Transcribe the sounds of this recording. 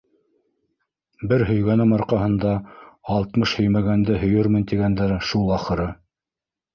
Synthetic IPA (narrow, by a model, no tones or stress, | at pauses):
bɘɾɦɵ̆jɡænɘmɑɾqɑɦɤ̆nd̪ɑɑlˠt̪mɤʃhɵ̆jmæɡænd̪ɘɦɵ̆jɵɾmɘ̆nt̪iɡænd̪ɘɾʃulˠɑχɤ̆ɾɤ